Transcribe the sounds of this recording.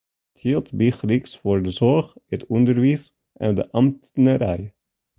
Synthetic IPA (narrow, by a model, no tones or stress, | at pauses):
t̪ʰit̪bixɾɪksfɔɹdəsɔɹχɛt̪ʰʉnd̪əɾʋiːs | ʔɑ̰d̪ə̰ʔɑmt̪n̩əɾæɪ